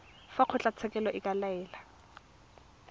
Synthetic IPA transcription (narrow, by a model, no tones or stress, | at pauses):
faq͡χʰʊt͡ɬʼat͡sʰɛkʼɛlɔʔɪkʼalaɛːla